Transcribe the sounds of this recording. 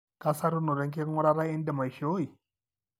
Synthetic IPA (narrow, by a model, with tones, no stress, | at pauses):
ka˦sa˦ɾu˦nu˨ɾɛ˨ŋke˦ŋɔ˦ɾa˦ɾa˦ɛ˦ndɛ˨ma˨i˨ʃo˦i˨